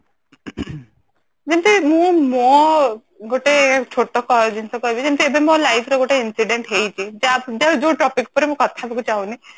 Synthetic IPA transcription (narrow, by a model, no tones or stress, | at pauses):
d͡ʒent̪imũmɔ | ɡoʈet͡ʃʰoʈɔkɔd͡ʒint̪ɔkɔbid͡ʒent̪iebemɔ̃lajpʰɾeɡoʈeinsiɖeɳʈɦejt͡ʃʰid͡ʒead͡ʒed͡ʒoʈɔpikpɔɾemũkɔt̪ʰabekut͡ʃaũni